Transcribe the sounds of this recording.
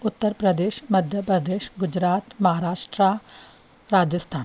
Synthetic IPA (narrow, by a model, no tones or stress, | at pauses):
ʊt̪ːəɾpɾɐd̪eːʃmɐd̪ʱjəpɾɐd̪eːʃɡʊd͡ʒɾaːt̪mɐɦaːɾaːʃʈɾa | ɾaːd͡ʒəst̪ʰaːn